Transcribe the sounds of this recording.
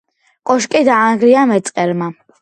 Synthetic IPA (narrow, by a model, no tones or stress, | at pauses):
kʼɔʃkʼid̪aːŋɡɾiamɛt̪sʼqʼɛɾma